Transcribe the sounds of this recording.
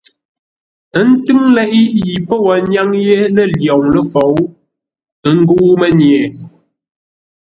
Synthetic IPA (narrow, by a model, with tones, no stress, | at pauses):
ə˦n̩˦tɨ˦ŋlɛ˦ʔi˦ji˨po˦wə˨ɲa˦ŋjɛ˦lə˦˨ljɔ˨ŋlə˦fo˨˦w | ə˨˦ŋ̩˦ɡu˦mə˦ɲjɛ˨